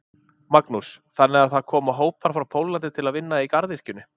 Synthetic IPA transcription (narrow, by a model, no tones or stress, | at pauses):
maknusθanːɛaðθaðkʰɔːmaɦoːwpaɾ̥fɾawpʰowlant̪ɪt̪ʰɪlaðvɪnːaikaɾðɪhcʏnʏ